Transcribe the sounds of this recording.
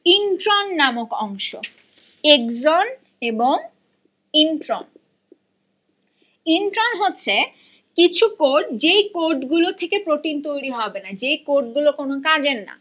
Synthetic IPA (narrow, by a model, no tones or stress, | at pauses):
inʈɾonːamokɔŋʃo̰ | ekzon | eboŋ | inʈɾon | inʈɾonɦotːɕʰe | kit͡ɕʰukoɾʈd͡ʑejkoɾʈɡulot̪ʰekepɾoʈint̪ojɾiɦɔbenad͡ʑejkoɾʈ̚ɡulokonokad͡ʑenːa̰